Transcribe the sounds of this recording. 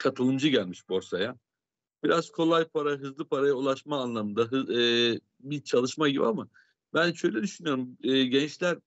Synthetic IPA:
kʰat̪ʰɯlˠɯnd͡ʒɯɟælʲmiʃbo̞ɾsaja | biɾaz̥kʰo̞lˠajpʰaɾaɦɯzlˠɯpʰaɾajaulˠaʃmaːnlˠamɯnd̪aɦɯː | bit͡ʃʰalˠɯʃmaɟibḭama | bænʃø̞jlʲɛd̪yʃynyjoɾumɛːɟɛnt͡ʃlʲæɾ

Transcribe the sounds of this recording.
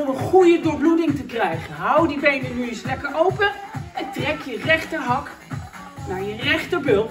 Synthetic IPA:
mənχujədʊːɹbludɪŋtəkrɛjχənɦawdibejnənyɪnslɛkəɹowpəɛntrɛkjərɛχtəɦɑk | naːɹjərɛχtəɹbɵlˠ

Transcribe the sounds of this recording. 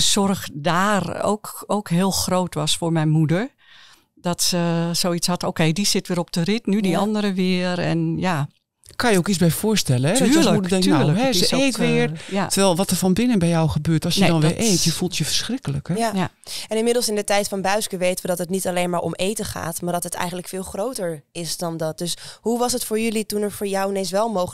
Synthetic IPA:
sɔrɣdaːro̰ːkoːkɦɪːlˠxroːtʋɔsfʊːɹmɛjnmudəɹ | d̥ɔtsəsoːit͡sshɔtokeːdisɪtʋɪːɾɔp̚d̥ərɪtnydiɔndəɾəʋɪəɾɛ̰nja | kʰanjəokisbɛjfʊːɹstɛləɛɔyːlətyːɹləkɦɛəseːtʋɪəɹjatʰəʋɛlˠʋɔtəɹfɔnbɪnənbɛjɔwxəbøːtɔsjədɔnʋɪɹʔeːtjəfulˠtjəfə̥ɹsxrɪkələkaj | ɛnɪnmɪdəl̩ˠsɪndətɛjtfɔnbœɥskəʋejtənʋədɔtɦətnitaleːnmaːɹʔo̰meːtəχa̰ːtmaːɹdɔtətʰɛ̰jxən̩tləkfɪːlˠxrowtəɹɪsdɔndɔt̚døshuʋɑsətfʊːɹjølitunəɹfoːjɔwnesʋɛlˠmow

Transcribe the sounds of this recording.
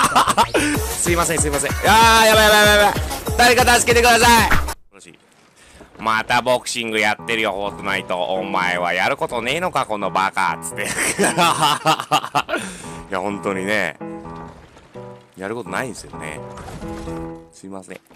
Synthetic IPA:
sɨimasẽs̬ɨimas̬ẽjajaβajaβajabajbḁt̪aɾʲikat̪asɨ̥ke̞t̪e̞kɯd̪asai | oɕḭ | mat̪abo̞kɯ̟̥ɕĩŋɡɯ̟jat̪ːe̞ɾɯ̟jo̞ho̞ːt̪onait̪o̞ʔːmaeβajaɾɯ̟ko̞t̪o̞ne̞ːno̞kako̞no̞baka̰t͡sɨ̥t̪ːe | jahõ̞nt̪o̞ɲ̟ine̞̰ | jaɾɯko̞t̪o̞naid̪esɨjo̞̰nḛ | sɨimasɨnḛ

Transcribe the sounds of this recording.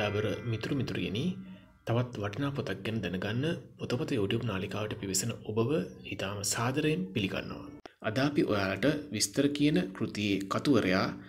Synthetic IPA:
aːbəɾəmit̪uɾumit̪uɾḭɡḛni | t̪aʋat̪ʋaʈɐnaːpot̪ak̚ɡɛnəd̪ɛnəɡanːəot̪opɐt̪əjoːʈjupnaːlikaːʋəʈəpiʋisɐnəʔobəʋəhit̪aːməsaːd̪ɐɾəjenpiliɡa̰nːo̰ʋə̰ | ad̪aːpiʔo̰jaːlaʈəʋist̪əɾəkijənəkrut̪ijeːkat̪uʋəɾəjaː

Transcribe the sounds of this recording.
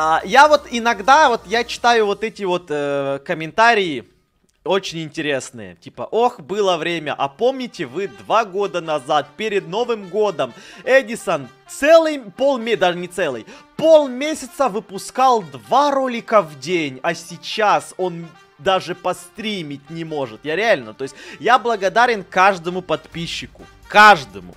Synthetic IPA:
ajavot̪ɪnɐɡd̪avo̞t̪jat͡ɕɪ̥t̪ajʊvot̪ɛtʲɪvo̞t̪əkəmʲɪnt̪aɾʲɪɪ | ot͡ɕɪnʲɪnʲtʲɪɾʲe̞snɨ̰jə̰tʲipə̰ʔo̞xbɨlˠəvɾʲemʲəʔɐpo̞mnʲɪtʲɪvɨd̪vaɡo̞d̪ənɐzat̪̚pʲeɾʲɪd̪̚no̞vɨmɡo̞d̪əmɛdʲɪsənt̪sɛlˠɨjpolˠmʲed̪aʐɨnʲɪt̪sɛlˠɨ̰jpo̞lˠmʲesʲɪt̪səvɨpʊskalˠd̪vaɾo̞lʲɪkəvdʲenʲɐsʲɪt͡ɕaso̞n | d̪aʐɨpɐst̪ɾʲimʲɪtʲnʲɪmo̞ʐɨt̪jaɾʲɪalʲnət̪ojɪsʲtʲjablˠəɡɐd̪aɾʲɪnkaʐd̪əmʊpɐt̪pʲiɕːɪkʊ | kaʐd̪əmʊ̰

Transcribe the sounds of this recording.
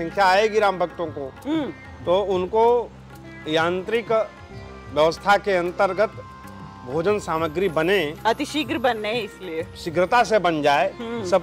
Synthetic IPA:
sə̃ŋkʰjaaːeɡɪɾãːmbʱəkt̪õkoɦ | t̪oʊnko | jãːnt̪ɾɪk | ʋjəʋəst̪ʰakeɐ̃nt̪əɾɡət̪ | bʱoːd͡ʒənsaːməɡɾibəneɐt̪ɪʃɪɡɾbənːeɪslieʃɪɡɾət̪asebənd͡ʒaːeɦsəb

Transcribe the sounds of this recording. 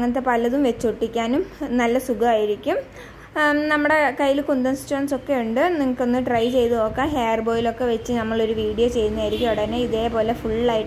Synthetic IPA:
ŋːɐnɐt̪̬ːe̞pɐlɐðumʋe̞t͡ɕːoʈːikʲːaːnumnɐlːɐsuɡɐaːjiɾikʲːum | nɐmːuɽe̞kɐjːilkund̪ɐnst͡ɕːuaːnso̞kːe̞uɳɖɨniŋːɐkːo̞nːɨʈrɐjt͡ɕe̞jt̪uoːkːaːɦeːɐrbo̞ːjilo̞kːe̞ʋe̞t͡ɕːɨnɐmːɐɭo̞ɾuʋiːɽijoːt͡ɕe̞jt̪unːaːjiɾikʲːumɐɽɐneiðe̞ːpo̞ːle̞fuɭːlaːjiʈː

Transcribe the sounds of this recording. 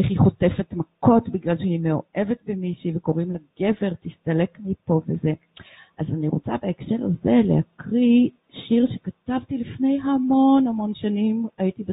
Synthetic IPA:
ʔeχiχo̞te̞fetmako̞tbiɡlalʃehimeo̞̰ʔe̞vetbemiʃiveko̞ʁimlaɡe̞ve̞ʁtistale̞kmipo̞vḛze | ʔazaniʁot͡sa̰beekʃe̞ʁaze̞lḛhakʁi | ʃiʁʃekatavtilifne̞jɦamo̞nhamo̞nʃanimaitibe

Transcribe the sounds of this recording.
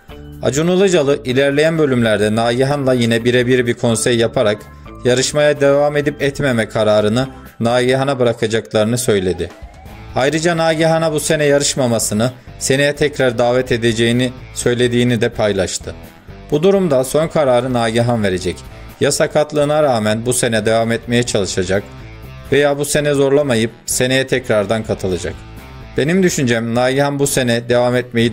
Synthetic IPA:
a̰d͡ʒunulˠɯd͡ʒalˠɯʔilʲæɾlʲejænbø̞lʲymlʲæɾd̪ɛnaːɟiɦanlˠajinɛbiɾɛbiɾibiɾkʰo̞nsɛjːapʰaɾak | jaɾɯʃmajad̪e̞vaːme̞d̪ipɛt̪me̞mɛkʰaɾaːɾɯnɯ | naːɟiɦanabɯɾakʰad͡ʒaklˠaɾɯnɯsø̞jlʲe̞d̪ɪ | ajɾɯd͡ʒanaːɟiɦanabuse̞nɛjaɾɯʃmamasɯnɯse̞nejɛt̪ʰɛcɾaɾd̪aːvɛt̪ʰe̞d̪e̞d͡ʒe̞jinisø̞jlʲe̞d̪iːnid̪ɛpʰajlˠaʃt̪ʰɯ | b̥ud̪uɾumd̪aso̞nkʰaɾaːɾɯnaːɟiɦanve̞ɾe̞d͡ʒɛc | jasakʰat̪lˠɯːnaɾaːmænbuse̞nɛd̪e̞vamɛt̪me̞jɛt͡ʃʰalˠɯʃad͡ʒak | ve̞jaːbuse̞nɛzo̞ɾlˠamajɯp̚se̞ne̞jɛt̪ʰɛcɾaɾd̪ankʰat̪ʰɯlˠad͡ʒa̰k | b̥e̞nimd̪yʃynd͡ʒɛmnaːɟihanbuse̞nɛd̪e̞vamɛt̪̚me̞ji

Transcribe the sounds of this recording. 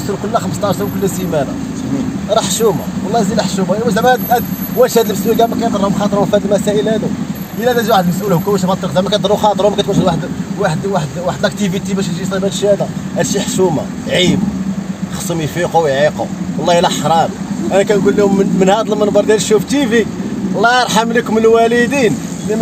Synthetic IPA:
səɾkʊlːæxəməst̪ˤɑʃskʊlːæsimæɾæ̰ | ɾˤɑħʃuma̰wɑlːɑzilæħʃumajwæd̪æmææd̪æd̪wæʃhæd̪əlbəswiɡæmækæjd̪əɾˤhʊmxɑt̪ˤəɾˤhʊmfæd̪əlmæsæʔəlhæd̪ʊm | ʔəlːæd̪æziwaħəd̪lmsʔulhʊmkæwæʃbɑt̪ːˤɾqd̪æmækæt̪d̪ˤəɾˤʊxɑt̪ˤəɾhʊmkæt̪wænʃhəd̪waħd̪waħd̪waħd̪waħəd̪læk̚t̪ivit̪ibæʃt̪ʒisˤibælʃihæd̪æhæd̪ʃiħʃuma̰ | ʕibjxsˤumijfiqowjʕiqo̰wlˤːɑhilæħɾˤɑm | ʔænækænɡulːihʊmmənhæd̪ləmːænb̪ɑɾˤd̪jælʃuft̪iviwlˤːɑɑɾˤħamləkʊməlwælid̪in | lim

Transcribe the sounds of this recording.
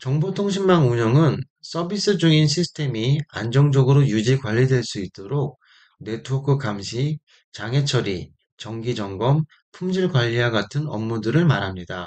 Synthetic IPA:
t͡ɕʌŋbotʰoŋɕ̬ʰimmaŋuɲʌŋɯn | s͈ʌbis͈ɯd͡ʑuinɕʰisʰɯ̥tʰe̞mia̰nd͡ʑʌŋd͡ʑʌɡɯɾojud͡ʑikwaʎːidwe̞ɭs͈uit̚t͈oɾok̚ | ne̞tʰoɡʰɯkamɕʰi | t͡ɕaŋɦe̞t͡ɕʰʌɾḭ | t͡ɕʌŋɡid͡ʑʌŋɡʌm | pʰumd͡ʑiɭɡwaʎːiaɡatʰɯnʌ̰mːudɯɾɯɭmaɾɦamɲida

